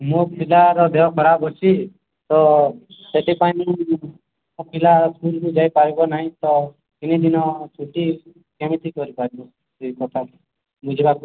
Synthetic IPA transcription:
mopilaɾɔd̪eɔkʰɔɾabɦɔt͡ʃʰi | t̪ɔseʈipani | ɔpʰilaɾsulkud͡ʒaipaɾibɔnaɦĩt̪ɔ | kinid̪inɔ̃t͡ʃʰuʈi | kemit̪ʰikɔɾipaɾibɔ | eikɔt̪ʰa | mud͡ʒebaku

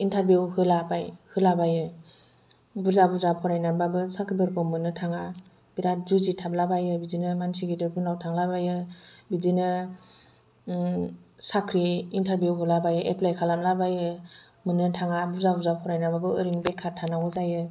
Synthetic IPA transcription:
intʰaɾbjuwhɯlabajhɯlabajɯ | buzabuzapʰɔɾajnababɯsakʰɾibɯɾkʰɯwmɯnɯtʰaŋa | biɾazuzitʰablabajɯbizinɯmansiɡidɯɾpʰɯnawtʰaŋlabajɯbizinɯ | sakʰɾiːntʰaɾbjuɦɯlabajɯʔeplajkʰalamlabajɯ | mɯnɯtʰaŋabuzabuzapʰɔɾajnababɯɯɾiŋbekʰːaɾtʰanawɯzajɯ

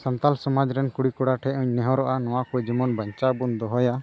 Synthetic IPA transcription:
sant̪alsɔmad͡ʒɾɛnkuɽikɔɽaʈʰɛuɲnɛɦɔɾɔʔanɔwakujd͡ʒimɔnbəɲt͡ʃabund̪ɔɦɔja

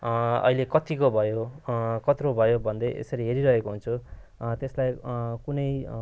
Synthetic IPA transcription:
ʌ̰ɦilekʌt̪ikobʱʌjokʌt̪ɾobʱʌjobʱʌnd̪ʌʔḛsʌɾiɦeɾiɾʌɦekoɦunt͡sʰu | t̪eslajkunʌj

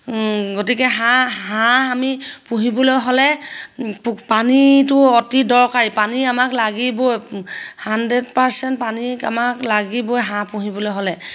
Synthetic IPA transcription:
ɡotikɛɦãɦãamipũɦibɔlɔjɦolɛ | ppanitʊɔtidɔɹkaɹipaniamaklaɡibojhandedpaɹsɛntpania̰maklaɡibojɦãpũɦibɔlojɦolɛ

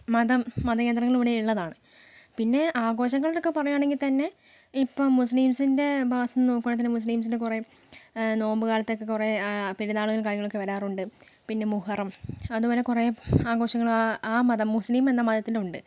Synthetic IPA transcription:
mɐðɐmːɐðɐke̞ːnd̪rɐŋːɐɭuʋɐɽejiɭːɐðaːɳɨ | pinːe̞ʔaːɡo̞ːɕɐŋːɐɭiɾokːepɐrɐjuaːɳe̞ŋɡilt̪ɐnːe̞ | ipːoɭmusliːmsinde̞bʱɐʋt̪ɐnnoːkːoɳːɐt̪ɐnːemus̬liːms̬inde̞kure̞ | no̞ːmbɨkaːlɐt̪ːeokːekure̞piɾuðaːɭuɣɐɭk̬aːɾjɐŋːɐɭo̞kːeʋɐɾaːruɳɖɨpinːe̞muhɐrɐmɐðubo̞ːle̞kure̞aːɡo̞ːɕɐŋːɐɭaaːmɐðɐmːuslime̞nːɐmad̪jɐt̪ːiluɳɖɨ

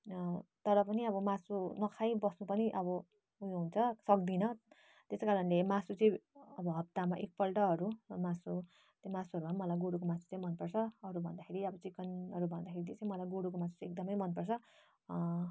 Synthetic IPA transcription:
t̪ʌɾʌpʌniʌβʌmasunʌkʰajbʌsnupʌniʔʌβʌ | ujɦunt͡sʰʌsʌkd̪inʌ | t̪eskaɾʌnlemasut͡sʌĩʌbʌɦʌp̚t̪amaʔek̚pʌlʈʌɦʌɾumasu | t̪masuɦʌɾubʱanmʌlajɡoɽukomasu̥t͡saĩmʌnpʌrt͡sʰʌʌɾubʱʌnd̪akʰeɾiʌbʌt͡sikʌnɦʌɾubʱʌnd̪akʰeɾit̪et͡sʌ̃ĩmʌlajɡoɽukomasu̥t͡sek̚d̪ʌmʌjmʌnpʌrt͡sʰʌ

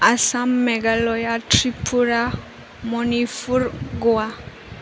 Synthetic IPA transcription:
asamːɛɡalɔjatɾipʰuɾa | mɔnifuɾɡwa

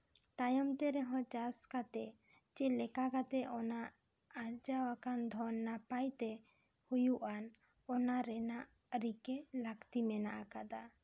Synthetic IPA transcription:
t̪ajɔmt̪ɛɾɛɦɔ̃t͡ʃaɾskat̪ɛ | t͡ʃɛlɛkakat̪ɛʔɔnaʔː | ɾd͡ʒawakand̪ʱɔnːapajt̪ɛ | hujuʔan | ɔnaɾɛnaʔ | ɾikɛlakt̪imɛna̰ʔakad̪a

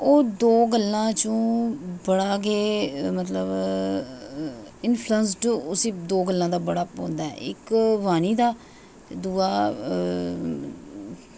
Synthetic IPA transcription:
oːd̪oːɡəlːãːt͡ʃõːbəɽaːɡeːmət̪ləb | ɪnpʰluəns̬ʈʊsiːd̪oːɡəlːãːd̪aːbəɽaːpõːnd̪aːɛ̰ɪ̰kʋaːniːd̪aː | d̪uːaː

